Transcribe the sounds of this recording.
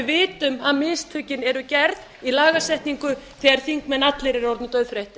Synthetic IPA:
vɪːt̪ʏmaðmɪːst̪ʰʏcːɪnɛɾʏcɛɾð | ilaːɣasɛht̪niŋkʏθɛɣaɾ̥θiŋkmɛnat̪lɪɾɪɾɔɾt̪nʏt̪œɥðfɾejht̪ɪ

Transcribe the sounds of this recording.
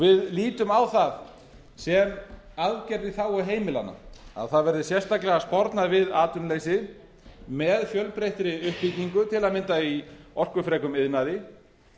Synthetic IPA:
vɪðliːt̪ʏmawθað | sɛm | aðcɛɾðɪθawɔɦeːjmɪlanːa̰a̰ðθaðvɛɾðɪsjɛst̪aklɛɣaspɔɾt̪navɪðaːt̪ʏnlejsɪ | mɛðfjœlpɾejht̪ɾɪʏhpːicniŋkʏt̪ʰɪlaðmɪnt̪aiɔr̥kʏfɾɛːkʏmɪðnaðɪ

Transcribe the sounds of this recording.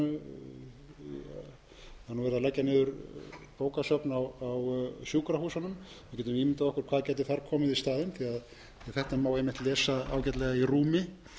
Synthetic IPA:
aɾnuvɛɾðalajcːanɪːðʏɾpoːwkasœpnawawsjuːkɾahuːsanʏm | vɪcɛːt̪ʏmiːmɪnt̪aɔkʏɾ̥kʰvaːðcɛːjt̪ɪθaɾkʰɔːmɪðist̪aːðɪnθiað | aθɛht̪aɛmawejmɪht̪lɛːsaa̰ːwcɛt̪lɛɣairuːmɪ

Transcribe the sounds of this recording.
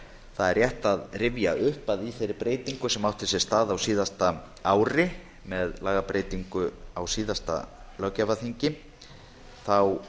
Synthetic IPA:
θaðɛɾrjɛht̪aðrɪvjaʔʏhpaðiθejɾɪɾpɾeːjt̪iŋkʏsɛmawht̪ʰɪsɛst̪aːðawsiːðast̪a | aːwɾɪ | mɛðlaːɣapɾeːjt̪iŋkʏawsiːðast̪a̰ | lœcavaθiɲcɪ | θaw

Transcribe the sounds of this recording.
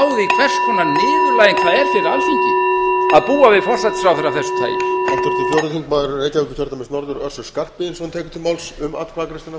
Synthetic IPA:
wðɪkʰvɛr̥skʰɔnːanɪːðʏɾlaːjɛnkʰv̥aːðɛɾ̥fɪɾɪawsiɲcɪaðpuːavɪðfɔr̥sat̪fɾawθɛɾːaθɛsʏ̥t̪ʰa̰ːjaft̪ʰʏɾ̥t̪ʰɪfjɔwɾʏθiŋkmaːðɪɾʏreːjc̪aðɪkʏ̥ç̪ʰœɾ̥t̪amɪnsnɔɾðʏɾœr̥sʏ̥skar̥ppɪɪnsɔnt̪ʰɛːkʏ̥ɾt̪ʰɪlmaːwlsʏma̰t̪kʰvakɾɪst̪ɪna

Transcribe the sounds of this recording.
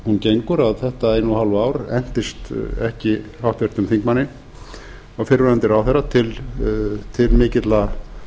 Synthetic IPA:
huncejŋkʏɾaðθɛht̪aejnuhalvaːwɾɛn̥t̪ɪst̪ɛhcɪhawht̪vɛɾ̥t̪ʏmθiŋkmanːɪ | aɣfɪɾɾɛnt̪ɪɾawθɛrːat̪ʰɪl | t̪ʰɪlmɪːcɪt̪la

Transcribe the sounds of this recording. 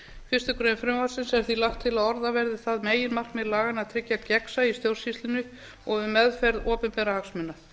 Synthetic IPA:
fɪ̥st̪ʏkɾeːjnfɾʏmvḁsɪnsɛɾ̥θilaxt̪ʰːɪlaðɔɾðavɛɾðɪθaðmeːjɪnmar̥kmɛðlaːɣanaðt̪ʰɾɪcːacɛksaist̪jowr̥sist̪lɪnʏ | ɔɣvɪmɛðfɛɾðɔːpɪnpɛɾahaksmʏnːa

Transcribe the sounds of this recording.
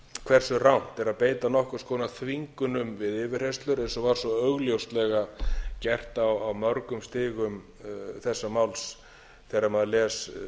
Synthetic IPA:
kʰvɛr̥sʏrawn̥t̪ɛɾaðpeːjt̪anɔhkʏ̥skʰɔːnaθʰviŋkʏnʏmvɪðɪːvɪr̥est̪lʏɾɛnsɔvaɾ̥sɔœɣljowst̪lɛɣacɛr̥t̪awawmœɾkʏmst̪ɪːɣʏm | θɛsːamawls | θɛɾamaðlɛːs

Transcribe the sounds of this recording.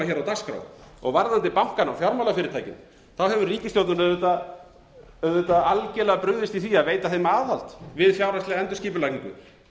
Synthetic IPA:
açɛɾawt̪askɾa̰wɔ̰ɣvaɾðant̪ɪpawŋ̥kanawfjawɾmawlafɪɾɪɾt̪ʰaːjcɪn | θawɦɛvʏɾriːcɪst̪jowt̪nʏnœðvet̪a | œðveːt̪aalcɛlɛɣapɾʏɣðɪst̪iθiːaðveːjt̪aθejmaːðhal̥t̪vɪðfjawɾast̪lɛɣaɛnt̪ʏ̥sciːpʏlajkniŋkʏ̰

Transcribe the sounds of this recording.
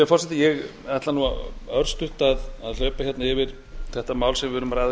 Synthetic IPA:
ɛɾfɔrsɛt̪ɪjɛɣ | ɛt̪lanua̰œɾst̪ʏht̪aðaðlœːɥpaçjɛt̪naɪvɪɾ̥ | θɛht̪amaːwlsɛmvɪvʏːɾʏmraːjð

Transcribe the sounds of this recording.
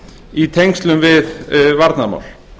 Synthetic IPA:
it̪ʰejŋkst̪lʏmvɪðvaɾt̪nama̰wl̥

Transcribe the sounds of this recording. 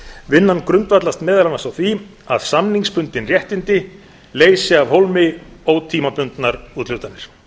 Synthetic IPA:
vɪnːankɾʏnt̪vat̪last̪mɛːðalanasawθvi | a̰ðsamniŋspʏnt̪ɪnrjɛht̪ɪnt̪ɪ | leːjsɪavɦowlmɪowt̪ʰiːmapʏnt̪naɾuːt̪lʏwt̪anːɪɾ̥

